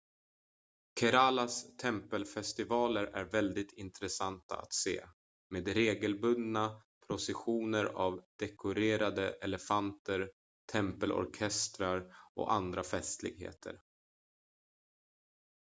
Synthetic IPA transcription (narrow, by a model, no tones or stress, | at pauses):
kʰɛɾalast̪ʰɛmpəlfɛst̪ɪvɑːləɾæ̰ɾvɛld̪ɪt̪ʰɪnt̪ɾɛsant̪a̰a̰t̪sḛː | meːd̪ɾeːɡəlbɵnd̪apʰɾʊsɛɧuːnəɾa̰vd̪ɛkʰʊɾeːɾad̪əʔɛlɛfant̪əɾ | t̪ʰɛmpəlɔ̰ɾkʰɛst̪ɾaɾʔɔ̰and̪ɾafɛst̪lɪ̰ɡɦḛːt̪ʰə̰ɾ